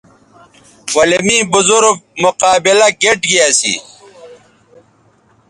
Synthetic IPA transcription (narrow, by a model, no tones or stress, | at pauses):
wɐlimiːbʊzuɾfmʊqaːbilɐkeʈɡiasḭ